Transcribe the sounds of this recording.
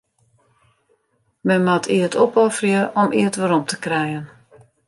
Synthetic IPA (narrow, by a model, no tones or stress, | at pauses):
mɛnmatʰiətopɔfrjəʔɔmʔiətʋəɾɔmtʰə̥krɛjən